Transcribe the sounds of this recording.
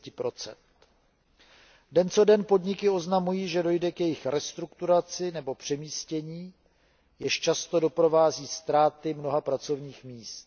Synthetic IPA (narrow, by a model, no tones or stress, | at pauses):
cɪpɾo̞t͡sɛ̰nt̪ | dɛnt͡so̞dɛnpo̞dɲɪkɪo̞znamujiːʒɛdo̞jdɛkjɛjɪxɾɛst̪ɾukt̪uɾat͡sɪnɛbo̞pr̝̥ɛmiːscɛɲiː | jɛʃt͡ʃast̪o̞do̞pɾo̞vaːziːst̪ɾaːt̪ɪmno̞ɦapɾat͡so̞vɲiːxmiːst̪̚